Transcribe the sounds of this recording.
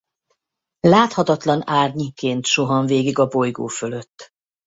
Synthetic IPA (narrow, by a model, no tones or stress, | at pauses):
laːt̪hɒt̪ɒt̪lɒnaːrɲikeːnt̪ʃo̞ɦɒɱveːɡiɡɒbo̞jɡoːfølø̞t̪ː